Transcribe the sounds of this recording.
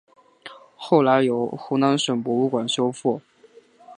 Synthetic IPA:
xo˥˩ʊla˧˥ɪjo˨˩ʊxu˥˩ʊna˧˥nʂwə˨˩npwɔ˧˥u˥˩kwa˨˩nɕjo˥ʊfɔ˥˩

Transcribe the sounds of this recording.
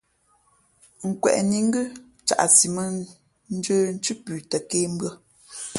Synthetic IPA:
ŋ̩˨kwɛ̰˨ʔni˨˦ŋ̩˦ɡə˦ | t͡ʃa̰˨ʔsi˨mə˦ | n̩˦d͡ʒəː˦n̩˦t͡ʃʉ˦pʉ˨tə˨keː˦m˦bɰə˦˨

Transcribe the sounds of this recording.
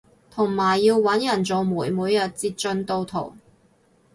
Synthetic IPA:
t̪ʰʊ˨˩ŋmaː˨˩jːiː˧wːɐ˨˥njɐ˨˩nt͡so˨˧wmuː˨˩jmuː˨jɐ˨˩t̚t͡siː˧t̚t͡ʃɵ˧nt̪o˧wt̪ʰo̰˨˩w

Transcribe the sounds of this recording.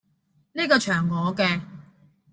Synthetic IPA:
niː˥kɔː˧t͡ʃʰœː˨˩ŋːɔː˨˧kɛː˧

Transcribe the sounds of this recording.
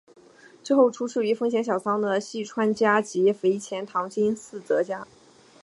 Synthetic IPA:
ʈ͡ʂɻ̩˥˧xo˥˩ʊʈ͡ʂʰu˥ʂʰɻ̩˥˩y˧˥fɤ˥ŋɕjɛ˧˥nɕjɑ˨˩ʊsɑ˥ŋd̪ə˨ɕi˥˩ʈ͡ʂʰwa˥nt͡ɕja˥t͡ɕi˧˥fe˧˥ɪt͡ɕʰjɛ˧˥nt̪ʰɑ˧˥ŋt͡ɕi˥nsɹ̩˥˩t͡sɤ˧˥t͡ɕja˥

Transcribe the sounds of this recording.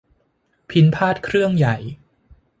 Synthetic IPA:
pʰi˨˧˥npʰaː˥˩t̪̚kʰɾɯ˥˩əŋja˨˩j

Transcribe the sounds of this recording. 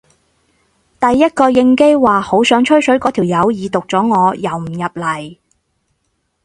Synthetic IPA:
t̪ɐ˨jːɐ˥t̚kɔː˧jɪ˧ŋke˥jwaː˨ho˨˥wsœː˨˥ŋt͡ʃʰɵ˥ɥsɵ˨˥ɥkɔː˨˥t̪ʰiː˨˩wjɐ˨˧wjiː˨˧t̪ʊ˨k̚t͡sɔː˨˥ŋɔː˨˧jɐ˨˩wm̩˨˩jɐ˨˩p̚lɐ˨˩j

